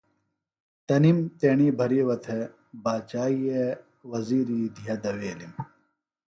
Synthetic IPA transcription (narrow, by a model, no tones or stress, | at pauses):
t̪ɐnimt̪eːɳiːbʱɐɾiːwɐt̪ʰe | baːt͡ɕaːie | wɐziːɾiːd̪ʱijɐd̪ɐweːlim